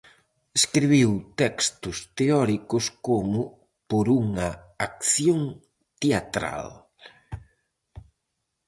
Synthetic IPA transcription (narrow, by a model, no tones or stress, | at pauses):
eskɾiβiwt̪ɛkst̪ʊst̪eɔɾikʊskomʊ | poɾuŋɐ | ak̚θjoŋ | t̪eat̪ɾa̰l